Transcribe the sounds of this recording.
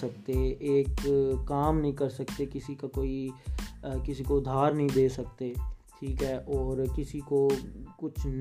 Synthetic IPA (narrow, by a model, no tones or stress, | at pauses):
ɐkt̪eeːkːaːmnɐɦĩkɐɾsɐkt̪ekɪsikakoːi | kɪsikoʊd̪ʱːaːɾnɐɦĩd̪eːsɐk̚t̪eʈʰiːkɦɛːʔɔːɾkɪsikokʊt͡ʃʰn